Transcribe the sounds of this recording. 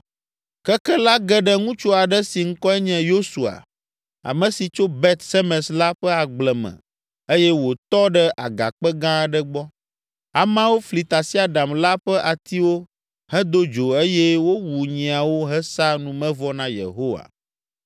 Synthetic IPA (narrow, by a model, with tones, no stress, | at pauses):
kɛ˦kɛ˦la˦ɡɛ˦ɖɛ˦ŋũ˦t͡ʃo˦a˨ɖɛ˦si˨ŋ̩˦kɔ˦ɛ˦ɲɛ̃˨jo˦su˨a̰˨ | a̰˨mɛ̃˨si˨t͡ʃo˦bɛ˦t̪sɛ˦mɛ̃˨sla˦ɸɛ˦a˨ɡ͡blɛ˨mɛ̰̃˨ | e˦jɛ˦wo˨t̪ɔ˦ɖɛ˦ʔa˨ɡa̰˨k͡pɛ˦ɡã˦ɖɛ˦ɡ͡bɔ˦ | a˨mã˦wo˦fli˨t̪a˨si˦a˨ɖa˨mla˦ɸɛ˦ʔa˨t̪i˦wo˦ | hɛ̃˦d̪o˦d͡ʒo˨e˦jɛ˦wo˦wu˨ɲĩ˨a˨wo˦ɦɛ˦sa˦nũ˨mɛ̃˦vɔ˦nã˦jḛ˨ɦo˦wa̰˨